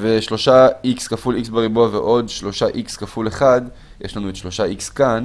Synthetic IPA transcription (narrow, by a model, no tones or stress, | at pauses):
veʃlo̞ʃaikskafuliksbeʁiboavḛʔo̞dʃlo̞ʃaʔikskafuleχad | jeʃlanuetʃlo̞ʃaʔikskan